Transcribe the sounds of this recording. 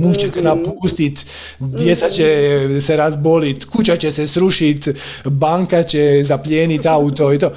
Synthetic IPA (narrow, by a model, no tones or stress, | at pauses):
muʒt͡ʃet̪enapuːst̪it̪ | d̪jet̪sat͡ɕeseɾazbolit̪kut͡ɕat͡ɕesesɾuʃit̪baŋkat͡ɕezapʎeːnit̪aut̪oit̪oː